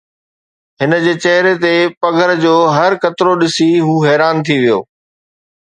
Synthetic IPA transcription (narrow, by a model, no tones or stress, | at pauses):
ɦɪnə̆d͡ʑeːt͡ɕɐɦɾet̪epɐɡʱəɾd͡ʑoːɦɐɾkɐt̪ɪɾoɗɪsiɦuːɦɛːɾaːnt̪ʰiʋijo̰ː